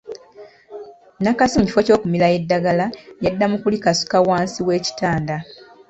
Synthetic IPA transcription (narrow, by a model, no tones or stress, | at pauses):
nakasimuci̥fo̞co̞ːkumilaje̞dːaɡalajadːamukulikasu̥kawaːnsiwe̞ːci̥taːnda